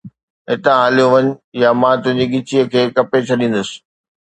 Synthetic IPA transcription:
ɦɪt̪ãɦaːljoʋɐɲʊjamãːt̪ʊ̃ɦɲd͡ʑiɡɪt͡ɕiəkʰeːkɐpet͡ɕʰɐɗĩːn̆d̪əsɪ̥̆

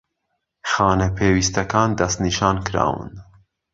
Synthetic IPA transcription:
xɑːnɛpʰeːwist̪ɐkɑːnd̪ɐst̪niːʃɑːnkɨɾɑ̰ːwɨ̰n

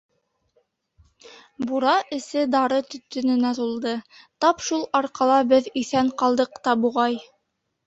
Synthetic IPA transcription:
buɾɑʔɘ̆sɘd̪ɑɾɤt̪ɵ̆t̪ːɵ̆nɘ̆næzulˠd̪ɤt̪ɑpʃulˠɑɾqɑlˠɑbɘðiθæɴqɑlˠd̪ɤqt̪ɑbuʁɑj

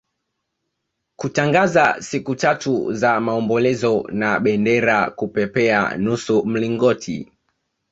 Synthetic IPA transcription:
kutaŋɡazasikutatuzamaɔmbɔlɛzɔnaɓɛndɛɾakupɛpɛa̰nusum̩liŋɡɔtʰḭ

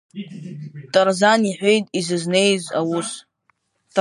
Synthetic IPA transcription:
tʼarzaniħʷe̞jtʼizɨzne̞jza̰wus | tʰʼ

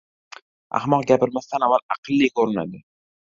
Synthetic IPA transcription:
a̰hmɒqɡʲapɪɾmast̪anavala̰qʰɨlˠːikʰoɾɪna̰d̪ɪ

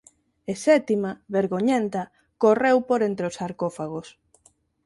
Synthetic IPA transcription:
esɛt̪imaβeɾɣoɲent̪ɐ | korewpoɾent̪ɾeosaɾkofaɣ̞os

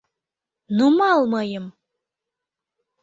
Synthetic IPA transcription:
numɑlˠmɤjəm

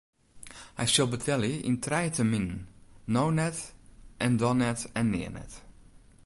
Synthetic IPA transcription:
a̰jʃɛlˠbətʰɛlˠjəʔɪ̰ntʰrɛjtʰəmɪnnownɛtʔɛ̃ndɔnɛtɛ̃nːɪ̰ːənɛ̰t

